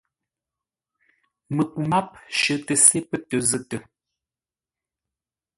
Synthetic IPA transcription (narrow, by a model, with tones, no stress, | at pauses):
mə˨ku˨ma˦p̚ʃə˨tə˨se˦pə˦tə˨zə˦tə˨